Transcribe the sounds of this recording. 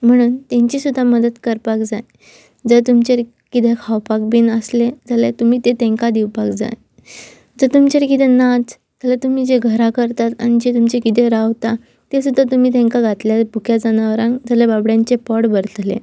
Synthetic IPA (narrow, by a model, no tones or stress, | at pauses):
m̤əɽ̃uːnt̪ẽɲt͡ɕiːsud̪ʱːaməd̪əd̪kəɾpakd͡zaj | d͡zət̪umt͡ɕeɾ | kit̪ʰekʰawpak̚binəsled͡zalet̪um̤iːt̪et̪ẽŋkad̪iwpakd͡za̰j | d͡zət̪umt͡ɕeɾkit̪ʰenad͡z | t̪alat̪um̤iːd͡ʑeɡʱəɾakəɾt̪at̪a̰ñid͡ʑet̪umt͡ɕekit̪ʰeɾaʋt̪a | t̪esud̪ʱːat̪̬um̤iːt̪̬ɛ̃ŋkaɡʱat̪ljabukʰjad͡zanaʋɾãŋkd͡zaljababɽjãɲt͡ɕepɔɽbəɾt̪lḛ